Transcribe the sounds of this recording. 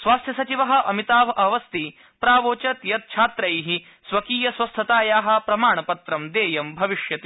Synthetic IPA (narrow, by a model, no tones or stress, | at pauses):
sʋaːst̪ʰjɐsɐt͡ʃiʋɐɦɐ̆ʔɐmit̪aːʋɐʔɐʋɐst̪i | pɾaːʋoːt͡ʃɐt̪jɐt̪̚t͡ʃʰaːt̪ɾɐjɦi | sʋɐkiːjɐsʋɐst̪ʰɐt̪aːjaːɦɐ̆pɾɐmaːɳɐpɐt̪ɾɐmd̪eːjɐmbʱɐʋiʃjɐt̪i